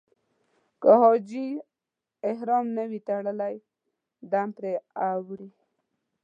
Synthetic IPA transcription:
kəhod͡ʒi | ɪhɾɔmnəwit̪aɽəlaj | d̪ampɾeawɽi

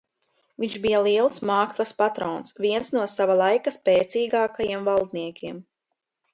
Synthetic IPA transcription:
viɲʒbijalˠiɛlˠsmaːkslˠɐspat̪ɾɔːnsviɛnsnuɔsavalˠajkaspɛːt̪siːɡaːkajiɛmvalˠd̪niɛkʲiɛm

